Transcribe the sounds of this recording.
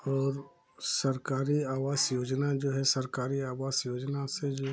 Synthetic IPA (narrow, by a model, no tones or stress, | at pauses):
ɔːɾ | səɾkaːɾiaːʋaːsjoːd͡ʒnad͡ʒoːɦɛsəɾkaːɾiaːʋaːsjoːd͡ʒnased͡ʒoː